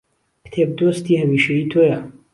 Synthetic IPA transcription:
kt̪ʰeb̚d̪ost̪ʰiːɦɐmiːʃeiːt̪ʰojɐ

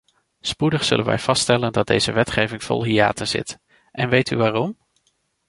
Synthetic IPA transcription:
spudəχsɵ̰lənʋɛ̰jv̥ɑsttɛləndɑd̚dejz̥əʋɛtχejvɪŋv̥ɔ̰lˠɦia̰ːtənz̥ɪ̰t | ʔɛnʋejtyʋaːrɔm

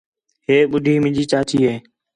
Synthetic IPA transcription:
ɦeːɓʊɖʱiːmɪ̃d͡ʒiːt͡ʃaːt̪ʰiːɦeː

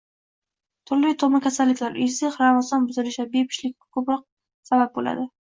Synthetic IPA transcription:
t̪ʰʊɾlɪt̪ʰomakʲʰasalːɪkʲlaɾɪzɪχɾamazɒnbʊzɪlɪʃabepʰɪ̥ʃlɪk̚ʲkʰɵpɾɒq̚ | sabap̚bola̰d̪ɪ

